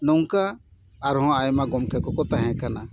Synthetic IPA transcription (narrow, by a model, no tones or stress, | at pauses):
nɔŋkaː | ɾɦɔ̃ajmaɡɔmkʰɛkɔkɔt̪aɦɛ̃kana